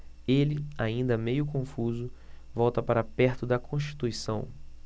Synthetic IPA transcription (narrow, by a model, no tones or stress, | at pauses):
elɪaĩnd̪ɐmejʊkõfuzʊ | vɔwt̪ɐpaɾɐapɛɾt̪ʊd̪ɐkʰõʃt͡ʃi̥t̪uisɐ̃w̃